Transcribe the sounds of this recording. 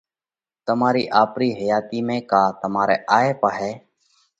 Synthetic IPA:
t̪əmaːɾiːʔaːpɾiːɦəjaːt̪iːmẽːkaːt̪əmaːɾḛːʔaːeːpaːɦɛː

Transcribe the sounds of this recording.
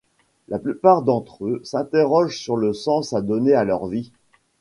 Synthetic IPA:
lʔaplypaʁd̪ɑ̃t̪χøsɛ̃t̪eʁɔʒsyʁləsɑ̃sad̪ɔnealœʁvi

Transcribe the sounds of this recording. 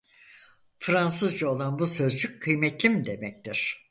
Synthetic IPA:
fɾansɯzd͡ʒao̞lˠanbusø̞zd͡ʒyc̚ʲkʰːɯjmɛt̪lʲimid̪e̞mɛc̚t̪ʰiɾ̥

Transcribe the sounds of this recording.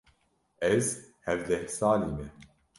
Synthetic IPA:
ɛzhɛvd̪ɛhsaːliːmɛ

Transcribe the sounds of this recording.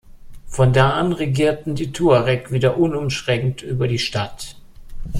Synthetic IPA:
fɔndaːʔanʁeɡiːɐtn̩diːtʰuːaʁɛkv̥iːdɐʔʊnʊmʃʁ̥ɛŋŋtʔyːbɐdiːʃtat

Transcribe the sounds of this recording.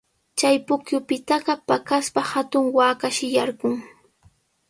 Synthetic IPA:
t͡ʃajpʊkjʊpɪt̪ɑɢɑpakaspahat̪ʊŋwaːkaʃɪjaɾɢʊŋ

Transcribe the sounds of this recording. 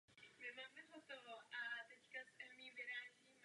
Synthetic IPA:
mɪmaːmɛɦot̪ɔɦoʔat̪ɛckasɛmiːvɪɾaːʒiːm

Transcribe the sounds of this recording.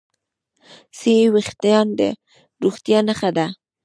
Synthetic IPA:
sewixt̪ajɑnd̪ə̰ | ɾuxt̪jɑnaxad̪a

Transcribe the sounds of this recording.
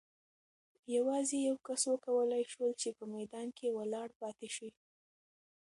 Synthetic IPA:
jawɑzejawkaswəkawəlajʃwəlt͡ʃepəmajd̪ɑnkʰewəlɑɽpɑt̪eʃwi

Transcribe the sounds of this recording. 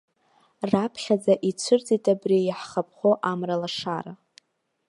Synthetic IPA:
rapʰχʲad͡zaʔit͡sʷʰʊrd͡zitʼabrijaħχapʰχoʔamralaʂaɾa

